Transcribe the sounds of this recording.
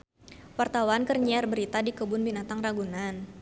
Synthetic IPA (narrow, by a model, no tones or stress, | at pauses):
wart̪awankərɲiarbəɾit̪adikəbʊnbinat̪aŋraɡunan